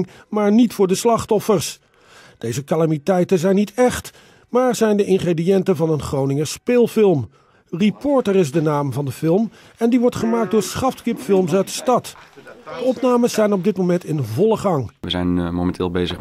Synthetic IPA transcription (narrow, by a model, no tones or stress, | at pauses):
ŋ | maːɹnitfʊːɹdəslɑχtɔfəɹs | d̥ejzəkalamitɛjtənzɛjnːitɛχt | maːɹzɛjndəʔɪnχrediɛntəvɑnənχrownɪŋəspeːlˠfɪlˠm | ripɔɹtərɪzdənaːmvɑndəfɪlˠm | ɛndiʋɔɹtχəmaːk̚dʊːɹsχɑftkɪpfɪlˠms̬œɥt̚də̥stɑtdəɔpnaːməszɛjnɔb̚dɪt̚momɛntɪnvɔlˠəχɑŋʋəzɛ̰jnmowmɛntʰɪːlˠbejzəχ